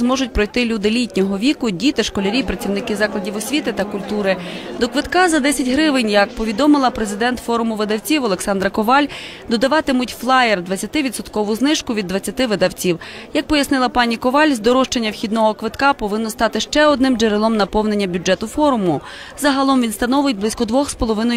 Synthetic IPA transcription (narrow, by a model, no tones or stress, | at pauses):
zmɔʒʊt̚ʲpɾɔjt̪ɪlʲud̪ɪlʲitʲnʲɔɦɔʋʲikʊdʲit̪ɪʃkɔlʲeɾʲipɾɐtʲt͡sʲiwnɪkɪzɑklˠɐdʲiʋɔsʲʋʲit̪ɪt̪ɐkʊlʲt̪uɾɪd̪ɔkʋɪt̪kɑzɐd̪ɛsʲɐtʲɦɾɪʋɪnʲjɐk̚pɔʋʲid̪ɔmɪlˠɐpɾezɪd̪ɛnt̪fɔɾʊmʊʋɪd̪ɐwt͡sʲiwɔlˠeksɑnd̪ɾɐkɔʋɑlʲ | d̪ɔd̪ɐʋɑt̪ɪmʊtʲflˠɑjerd̪ʋɐt͡sʲːɐt̪ɪʋʲid̪sɔt̪kɔʋʊznɪʃkʊʋʲid̪ʋɐt͡sʲːɐt̪ɪʋɪd̪ɐwt͡sʲiwjɐk̚pɔjɐsnɪlˠɐpɑnʲikɔʋɑlʲzd̪ɔɾɔʃt͡ʃenʲːɐwxʲid̪nɔɦɔkʋɪt̪kɑpɔʋɪnːɔst̪ɑt̪ɪʃt͡ʃɛɔd̪nɪmd͡ʒeɾɪlˠɔmnɐpɔwnenʲːɐbʲʊd͡ʒɛt̪ʊfɔɾʊmʊ | zɐɦɐlˠɔmʋʲinst̪ɐnɔʋʊjet̚ʲblˠɪsʲkɔd̪ʋɔxspɔlˠɔʋɪnɔ